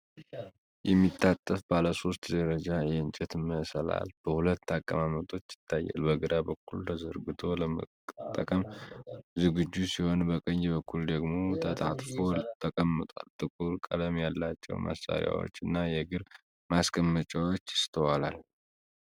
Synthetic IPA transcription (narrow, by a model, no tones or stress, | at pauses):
jɛmːit̪ʰːat̪ʼːəfbaləso̞st̪d̪əɾəd͡ʒajɛɨnt͡ʃʼɛt̪məsəla̰lb̥əhulət̪ːakʼːəmamət̪ʼʰo̞t͡ʃːjɪ̥t̪ːajːa̰lbəɡəɾabəkʰːult̪ʰəzəɾɡɨt̪ʰo̞ləmə | t̪ʼːəkʼəm | zɨɡɨd͡ʒːusiho̞nbəkʼəɲːbəkʰːuld̪əɡmo̞t̪ʰət̪ʰʼat̪ʼfo̞t̪ʰːəkʼəmːɨt̪ʼa̰lt̪ʼɨkʼuɾkʼələmjalːat͡ʃːɛ̰wmʔa̰sa̰ɾja̰wo̰t͡ʃːɨnːajɛɡɨɾ | maskʰəmːət͡ʃʼawot͡ʃːɪ̥st̪ʰəwala̰l